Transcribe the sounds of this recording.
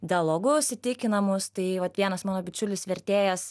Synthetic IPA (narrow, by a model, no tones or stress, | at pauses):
d̪ʲɪɐlˠoɡʊʊʃʲsʲɪt̪ʲɪkʲɪnɐmʊst̪ɐɪʋɐt̪ʋʲiɛnɐsmɑːnoːbʲɪt͡ʃʲʊlʲɪsʋʲɛɾʲt̪ʲeːjɛs